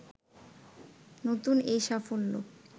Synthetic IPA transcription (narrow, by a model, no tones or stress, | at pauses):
not̪unejʃafolːo̰